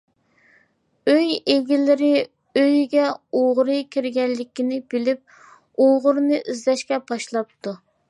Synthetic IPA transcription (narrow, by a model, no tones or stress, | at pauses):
øjeɡʲilɪɾɪ | øjɡʲɛoʁɾɨkʲʰiɾɡʲɛllːɪkʲinɪb̥ɪlɪp̚ | oʁʊɾnɨʔizlɛʃkʲɛbɑʃlˠɑp̚t̪ʰu